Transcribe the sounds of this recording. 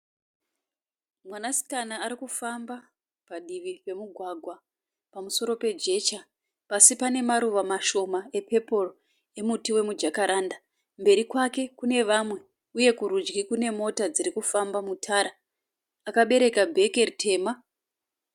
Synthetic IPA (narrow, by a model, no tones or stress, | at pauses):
mwanasi̥kanaːɾikufamba | paɗiʋipe̞muɡʱwaɡʱwa | pamuso̞ɾo̞pe̞d͡ʒe̞t͡ʃa | pasipane̞maɾuʋamaʃo̞mae̞pe̞poro | e̞mutiwe̞mud͡ʒakaɾaːnda | mbe̞ɾikwake̞kune̞ʋamwe̞ | uje̞kuɾud͡ʒɡikune̞mo̞tad͡ziɾikufambamutʰaːɾa | akaɓe̞ɾe̞kabʱe̞ke̞ritʰe̞ːma